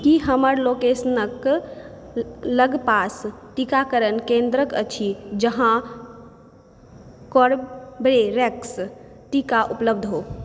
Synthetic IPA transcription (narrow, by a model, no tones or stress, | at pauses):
kiɦəməɾlokesənək | ləɡpasʈikakəɾənkẽnd̪ɾəkə̰t͡ʃʰid͡ʒəɦã | kɔɾbɾeɾɛks | ʈikaʔupləbd̪ʱɦoː